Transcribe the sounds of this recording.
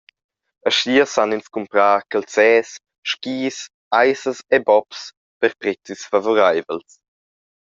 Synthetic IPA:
əʃiːəsaninskumpɾaːkəlsɛːs | ʃkiːs | ajsəsɛbɔps | pəɾpɾɛt͡sisfavoɾajvəls

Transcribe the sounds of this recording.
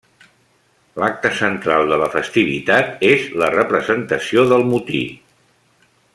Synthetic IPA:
lak̚t̪əsənt̪ɾalˠd̪ələfəst̪iβ̞ḭt̪at̪ezlərəpɾəzənt̪əsioðəlˠmut̪ḭ

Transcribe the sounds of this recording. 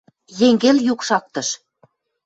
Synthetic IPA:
jeŋɡeljukʃɑk̚t̪ɤ̆ʃ

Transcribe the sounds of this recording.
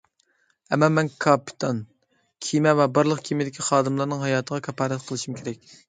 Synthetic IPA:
ɛmːɑmɛnkʰɑpʰi̥t̪ʰɑn | kʲʰimɛvɛbɑɾlˠəqkʲʰimɪd̪ɪkʲʰiχɑːd̪ɨmlˠɑɾnɨŋɦɑjɑːt̪ʰəʁɑkʲʰɑpʰɑːɾɛt̪qʰəlˠɨʃumkʲʰeɾɛk̚ʲ

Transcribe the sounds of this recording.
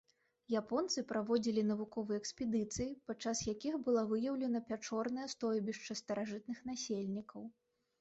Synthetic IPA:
japɔnt̪sɨpɾavɔd͡zʲilʲinɐvukɔvɨjɛkspʲɛd̪ɨt̪sɨjipat͡ʂːasjakʲixbɨlˠavɨjɐwlʲɛnɐpʲat͡ʂɔrnɐjɐst̪ɔjbʲiʂt͡ʂɐst̪ɐɾaʐɨt̪̚nɨxn̪asʲelʲnʲikɐw

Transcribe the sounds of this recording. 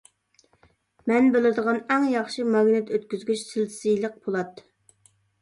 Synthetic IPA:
mɛnbølɪɾd̪əʁɑnɛŋjɑχʃimɑɡʲnɛt̪øt̪kʲyzɡʲyt͡ʃsɪlʰsɨjlˠəq̚bolˠɑt̪

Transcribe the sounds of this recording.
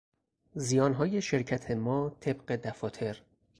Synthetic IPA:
zijɒːnɦɒːje̞ʃe̞ɾcʰæt̪ʰe̞mɒːt̪ʰe̞bɢe̞d̪æfɒːt̪ʰe̞ɾ

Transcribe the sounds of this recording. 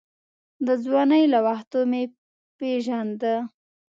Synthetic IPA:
d̪əzwɑnəjlawaxt̪ome | peʒand̪ə

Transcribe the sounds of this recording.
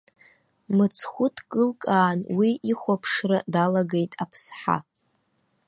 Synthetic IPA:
mɨt͡sʰχʷʊtʰkʼɨlkʼaːnwiiχʷapʰʂradalaɡe̞jtʼapʰsħa̰

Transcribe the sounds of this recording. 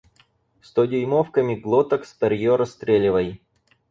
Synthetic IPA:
st̪odʲɪjmofkəmʲɪɡlˠot̪əksp̪ɐɾʲjoɾɐst̪ɾʲelʲɪvəj

